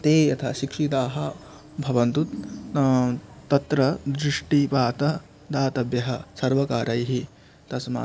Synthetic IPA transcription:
t̪eːjɐt̪ʰɐ̰ʃikʂit̪aːɦɐ̆ | bʱɐʋɐnt̪ut̪ | t̪ːɐt̪ɾɐd̪ɾiʂʈipaːt̪ɐ | d̪aːt̪ɐbjɐɦɐsɐɾʋɐkaːɾɐjɦi | t̪ɐsma̰ː

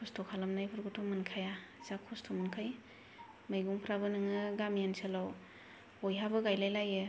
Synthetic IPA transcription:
kʰɔstʰokʰalamnajpʰɯɾɡutʰomɯnkʰaja | zakʰɔstʰomɯnkʰɯj | majɡuŋpʰɾabɯnɯŋɯɡamianselaw | ojɦabɯɡajlajlajɯ

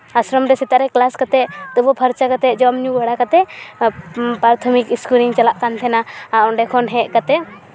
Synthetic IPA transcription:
asɾɔmɾɛsit̪aɾɛklaskat̪ɛt̪ubɔpʰaɾt͡ʃakat̪ɛʔd͡ʒɔmɲuɡaɽakat̪ɛ | pɾaɾt̪ʰɔmikiskuliŋt͡ʃalaʔkant̪ʰɛnaaʔɔɳɖɛkʰɔnɦɛ̃ʔkat̪ɛ

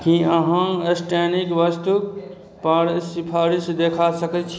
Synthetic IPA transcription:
kĩəɦãesʈenikʋəst̪uk | pəɾsipʰaɾisd̪ekʰasəkɛt͡ʃʰ

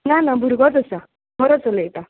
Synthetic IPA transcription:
nanabuɾɡɔt̪ɔsa | ɦɔɾɔt͡sɔlet̪a

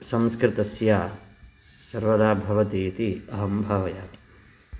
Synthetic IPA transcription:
sɐ̃mskɾɪt̪ɐsjaː | sɐɾʋɐd̪aːbʱɐʋɐt̪iːt̪iɐɦɐmbʱɐʋɐjaː

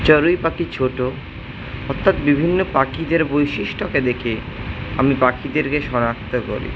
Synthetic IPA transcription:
t͡ɕɔɾujpakit͡ɕʰoʈo | ɔt̪ʰːat̪bibʱinːopakid̪eɾbojʃiʃʈoked̪ekʰe | a̰mipakid̪eɾkeʃɔnakt̪oko̰ɾḭ

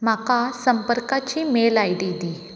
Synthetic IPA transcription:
makasəmpəɾkat͡ɕimelajɖid̪i

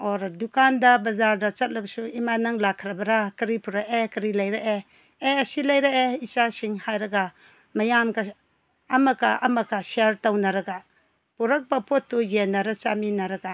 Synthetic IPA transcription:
oɾdukandɐbɐzaɾdɐt͡ʃɐt̚lɐbsuimanɐŋlakʰːɾɐbɐɾakɐɾipuɾaʔekɐɾilɐjɾaʔe | eɐsilɐjɾaeit͡ʃasiŋhajɾɐɡa | mɐjamka | ɐmɐkaʔɐmɐkasiaɾtownɐɾɐɡa | puɾɐk̚bɐpʰotːujenːɐɾat͡ʃaminɐɾɐɡa

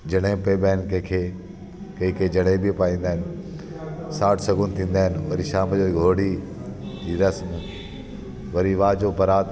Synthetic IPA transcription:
d͡ʑɐɽ̃ẽpeːbɛːnkɐkʰe | kɐ̃ɪkʰeːd͡ʑɐɽibʱipaːĩːnd̪aːɦɪnɪ | saːʈʰsɐɡʊnɪt̪ʰĩːn̆d̪aːɦɪnɪʋɐɾiʃaːmd͡ʑoːɡʱoːɽi | d͡ʑiːɾɐsm | ʋɐɾiʋaːd͡ʑopɐɾaːt̪

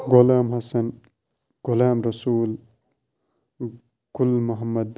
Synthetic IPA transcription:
ɡolaːmɦɐsɐn | ɡ̥olaːmɾɐsuːl | ɡ̥ulmɐɦɐmːɐd̪

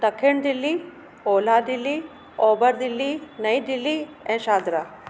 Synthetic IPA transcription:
t̪ɐkʰːeɳɖ̪ilːi | oːlaːɖilːi | oːbɐɾd̪ilːinɐjɖilːi | ɛ̃ːʃaːd̪ɾa

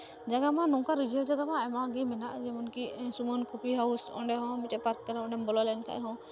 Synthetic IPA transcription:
d͡ʒaɡamãnɔ̃kaɾid͡ʒɔd͡ʒaɡamãɛmãɡimɛnaʔd͡ʒɛmɔnkisumɔnkɔpiɦawsɔ̰̃ɳɖɛɦɔ̃miʈɛpaɾk̚kəɾaɔ̃ɳɖɛmbɔlɔlɛnkʰa̰ʔɛ̰ɦɔ̃

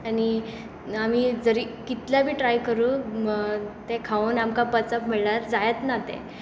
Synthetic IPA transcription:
ani | am̤id͡zəɾikit̪ljabʱiːʈɾajkəɾu | t̪ekʰaunamkapət͡sapmɛɭlaɾd͡zajət̪nat̪ɛ̰̃

